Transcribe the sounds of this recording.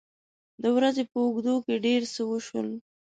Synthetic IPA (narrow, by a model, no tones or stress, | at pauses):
d̪əwɾazepəʊɡd̪okeɖeɾsəwəʃwə̰l